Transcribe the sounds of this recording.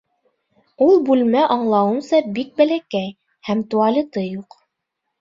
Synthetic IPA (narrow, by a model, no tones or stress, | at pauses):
ulˠbʉlmæʔɑɴlˠɑwɤ̆msɑbik̚bælækæj | hæmt̪uɑlʲɤt̪ɤjuq